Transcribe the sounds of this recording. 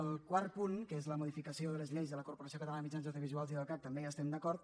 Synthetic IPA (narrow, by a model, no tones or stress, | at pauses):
əlˠkwaɾt̪puŋkezləmuðifikəsioðələzʎejzðələkuɾpoɾasiokət̪əlanəmit͡ʃanzoðjoβizualˠziðəlˠkak̚t̪əmbejast̪ɛmd̪əkɔɾt̪